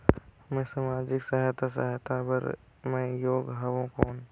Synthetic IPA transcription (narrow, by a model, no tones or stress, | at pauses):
mẽsamaːd͡ʒɪksəɦt̪asə̰ɦɛt̪ʰabə̰ɾ | mẽjoːɡɦɐʋõkoːn